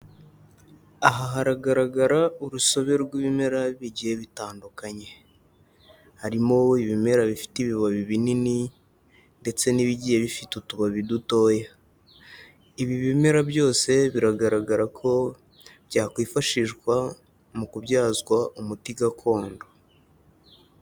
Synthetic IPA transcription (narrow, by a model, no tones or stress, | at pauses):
aɦaɦaɾaɡaɾaɡaɾauɾuso̞βe̞ɾɡwiːβime̞ɾaβiɟijeβitaːndukaɲe̞ | haɾimo̞iβime̞ɾaβifi̥tiβiβaβiβinini | nde̞t͡se̞niβiɟijeβifitutuβaβiduto̞ːja | iβiβime̞ɾabjo̞ːse̞βiɾaɡaɾaɡaɾakʰo̞ | bɟaːkwiːfaʃiʒɡwa | mukuβɟaːzɡwaʔumutiɡakʰo̞ːndo